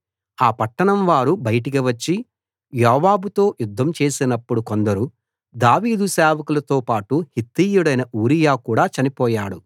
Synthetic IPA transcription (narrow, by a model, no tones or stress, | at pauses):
aːpɐʈːɐɳɐmʋaːɾubɐjɐʈ̬ik̬iʋɐt͡ʃːi | jɔːʋaːbut̪o̞ːjud̪ʱːɐmt͡ʃe̞ːsinɐpːuɽuko̞nd̪ɐɾu | d̪aːʋiːd̪usɛːʋɐkulɐt̪oːpaːʈuhit̪ːiːjuɽɐjnɐʔuːɾijaːkuːɽaːt͡ʃɐnipɔːjaːɽu